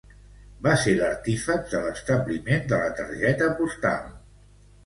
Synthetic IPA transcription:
baseləɾt̪ifək̚d̪ələst̪əβlimend̪ələt̪əɾʒɛt̪əpust̪a̰lˠ

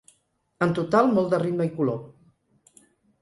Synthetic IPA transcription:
ənt̪ut̪alˠmɔlˠd̪ərit̪məikulo

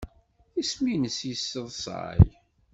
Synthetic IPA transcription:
θisminəsjisːəðˤsˤɑ̰j

